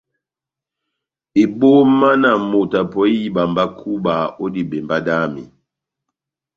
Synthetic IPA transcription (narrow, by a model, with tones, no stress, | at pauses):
i˨bo˦ma˦na˨mo˨ta˨pɔ˦i˦˨ba˨mba˦kʰu˦ba˨o˦di˨bɛ˨mba˦da˦mḭ˨